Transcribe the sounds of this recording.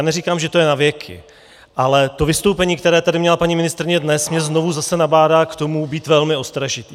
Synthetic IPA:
anɛɾiːkaːmʒɛt̪o̞jɛnavjɛkʰɪ̰ | ʔalɛt̪o̞vɪst̪o̞wpɛɲiːk̚t̪ɛɾɛːt̪adɪmɲɛlapaɲimɪnɪst̪ɾɪɲɛdnɛsmɲɛzno̞vuzasɛnabaːdaːkt̪o̞mubiːt̪vɛlmɪo̞st̪ɾaʒɪt̪iː

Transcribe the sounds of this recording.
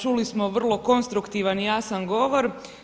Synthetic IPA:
t͡ʃulismo̞ʋr̩lˠo̞ko̞nst̪ɾukt̪iʋanjaːsanɡo̞ʋo̞ɾ

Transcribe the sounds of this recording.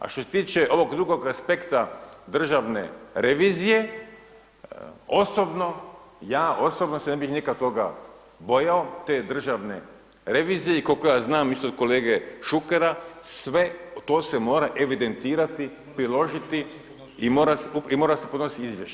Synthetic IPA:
a̰ʃt̪o̞se̞t̪iːt͡ʃeʔo̞ʋo̞ɡd̪ɾuɡo̞ɡaspe̞kt̪ad̪r̩ʒaʋne̞̰ɾeʋiːzije̞ | o̞sobno̞jaːʔo̞sobnosene̞bixnikat̪o̞ɡa̰ | bo̞jaot̪e̞ːd̪r̩ʒaʋne̞̰ | ɾe̞ʋiːzijeikokojaːznaːmist̪od̪̥̚ko̞le̞ːɡeʃukeɾasʋe̞t̪o̞ːsemo̞ːɾaʔe̞ʋid̪e̞nt̪iːɾat̪i | pɾilo̞ʒit̪i | imo̞ːɾaseuimoːɾasepo̞d̪nost̪iizʋjeʃe

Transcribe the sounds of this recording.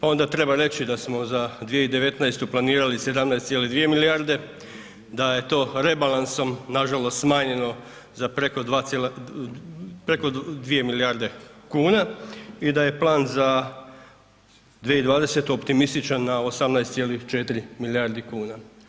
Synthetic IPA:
pao̞nd̪at̪ɾe̞baɾe̞t͡ʃid̪asmo̞zad̪ʋijeid̪e̞ʋe̞t̪najst̪uplaniːɾalise̞d̪amnajst̪ʲjelid̪ʋije̞milijaɾd̪e̞ | d̪aje̞t̪o̞ːɾe̞balanso̞mnaʒalo̞st̪smaːɲe̞no̞ | zapɾekod̪ʋal | pɾekod̪ʋie̞milijaɾd̪e̞kuːnaid̪aje̞plˠaːnza | d̪ʋieid̪ʋaːd̪e̞se̞t̪uo̞pt̪imist̪it͡ʃanːaosamnajst̪sʲjelit͡ʃe̞t̪iɾimiliaɾd̪ikuːna

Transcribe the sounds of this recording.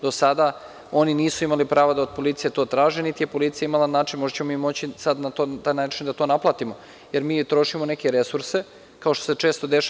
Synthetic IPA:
d̪o̞sad̪a | o̞niniːsuimalipɾaːʋad̪aod̪̚po̞lit̪sije̞t̪oːt̪ɾaːʒenit̪ije̞po̞lit̪sijaimalanaːt͡ʃinmoʒt͡ɕemoimːo̞t͡ɕisad̪nat̪ot̪ajnaːt͡ʃind̪at̪o̞ːnaplˠaːt̪imo̞ | jeɾmiːt̪ɾo̞ʃimone̞ke̞ɾe̞suɾse̞ | kao̞ʃt̪oset͡ʂe̞ːst̪o̞d̪eʃ

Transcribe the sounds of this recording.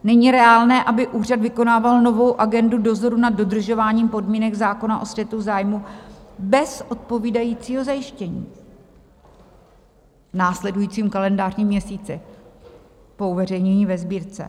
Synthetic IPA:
nɛɲiɾɛaːlnɛːʔabɪʔuːr̝advɪko̞naːvalno̞vo̞wʔaɡɛndudo̞zo̞ɾunad̚do̞d̪r̩ʒo̞vaːɲiːmpo̞dmiːnɛɡzaːko̞naʔo̞svjɛt̪uzaːjmubɛsʔo̞t̪̚po̞viːdajiːt͡siːɦo̞zajɪʃcɛɲḭː | naːslɛdujiːt͡siːmkalɛndaːrɲiːmːɲɛsiːt͡sɪ | po̞uvɛr̝ɛjɲɛɲiːvɛzbiːɾt͡sɛ̰

